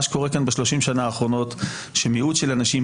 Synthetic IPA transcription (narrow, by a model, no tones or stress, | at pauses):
ʃko̞ʁekanbeʃlo̞ʃimʃanaːχʁo̞no̞t | ʃemiudʃelanaʃi